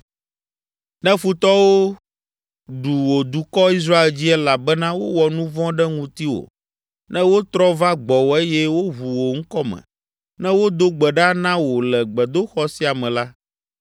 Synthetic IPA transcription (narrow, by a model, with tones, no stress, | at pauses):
nɛ̃˦fu˦t̪ɔ˦wo˦ | ɖu˨wo˨d̪u˨kɔ˦i˦s̬ɾa˦e˨ld͡ʑi˦ɛ˦la˨bɛ˦nã˦wo˦wɔ˨nũ˦vɔ̃˦ɖɛ˦ŋũ˨t̪i˦wo̰˨ | nɛ̃˦wo˦t̪ɾɔ˦va˦ɡ͡bɔ˨wo˨e˦jɛ˦wo˦ɦu˨wo˨ŋ̩˦kɔ˦mɛ̰̃˨ | nɛ̃˦wo˦d̪o˦ɡ͡bɛ˨ɖa˦nã˦wo˨lɛ˨ɡ͡bɛ˨d̪o˦xɔ˦si˦a˨mɛ̃˨la˦